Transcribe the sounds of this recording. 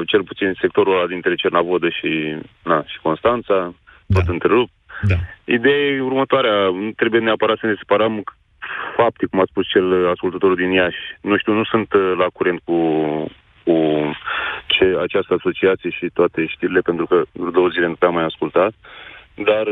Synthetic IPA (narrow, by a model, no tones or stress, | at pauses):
t͡ʃe̞lput̪sinse̞k̚t̪o̞ɾuad̪int̪ɾe̞t͡ʃe̞rnavod̪əʃinaʃi̥ko̞nst̪ant̪sa | t̪o̞t̪ɨnt̪ɾeɾup̚t̪ | ḭd̪ejeurmət̪oaɾeat̪ɾe̞bujeneapəɾat̪səne̞sepaɾəm | fap̚t̪ekumat̪spust͡ʃe̞laskult̪ət̪o̞ɾud̪injaʃʲnuʃt̪iuwnusunt̪lakuɾe̞nt̪̚ku | ku | t͡ʃeat͡ʃast̪əaso̞t͡ʃiat̪sije̞ʃit̪oat̪e̞ʃt̪iɾile̞pe̞nt̪ɾukəud̪oəzilenupeamːajaskult̪at̪d̪ar